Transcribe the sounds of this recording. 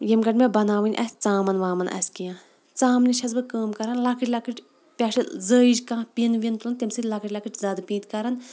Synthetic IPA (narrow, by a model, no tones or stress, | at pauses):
jemɡɐʈmebɐnaːʋɨnʲʔɐ̰sʲt͡saːmɐnʋaːmɐnʔɐ̰sʲkijãː | t͡saːmnʲiʃʰɐzbɨkəːmkɐɾɐnlakʰɨʈʲlɐkɨʈʲ | pʲaːʃɐzəːid͡ʒʲkãːpinʋint̪ulɐnt̪emsɨtʲlakʰɨʈʲlɐkʰɨʈʰʲzaːd̪piːt̪kɐɾɐn